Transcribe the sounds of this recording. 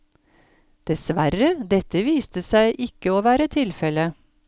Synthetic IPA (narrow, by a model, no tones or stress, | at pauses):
d̪̥ɛsʋæɾəd̪ɛt̪əʋiːst̪əsæɪʔɪkːəoːʋæːɾət̪ʰɪlfɛlə